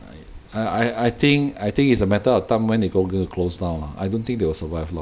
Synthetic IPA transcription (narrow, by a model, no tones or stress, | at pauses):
a | aajajt̪ĩŋkajt̪ĩŋkitsəmɛtəɔtãmwɛ̃ndeɡoɡõtukʰlosdãw̃nlaa̰jdõnt̪ĩŋkdewəsəvaɪvlɔ